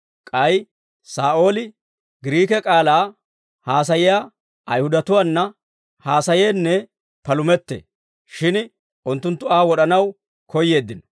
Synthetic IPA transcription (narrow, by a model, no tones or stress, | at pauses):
kʼɐj | saːʔo̞ːlɪ | ɡɪɾiːkɛkʼaːlaː | haːs̬ɐjɪja | ʔɐjhʊd̪ɐt̪ʊwaːnːɐ | haːsɐjeːnːɛ | pɐlʊmɛt̪ːḛ | ʃɪn | ʔʊnt̪ːʊnt̪ːʊaːwɔɗɐnɐw | kɔjːe̞ːd̪ːɪn